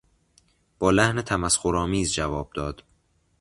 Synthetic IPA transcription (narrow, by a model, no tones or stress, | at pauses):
b̥ɒːlæhnet̪ʰæmæsxoɾɒːmiːzd͡ʒævɒːb̥̚d̪ɒːd̪̥